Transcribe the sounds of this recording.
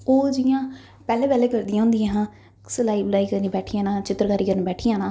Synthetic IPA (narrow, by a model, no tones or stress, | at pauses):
oːd͡ʒɪjãː | pɛːlẽːpɛːleːkəɾd̪ijãɦʊ̃nd̪ijãːɦãː | səlaːiːblaːiːkəɾniːbɛːʈʰijãːnãːt͡ʃɪt̪ːəɾkaːɾiːkəɾniːbɛːʈʰijãːnãː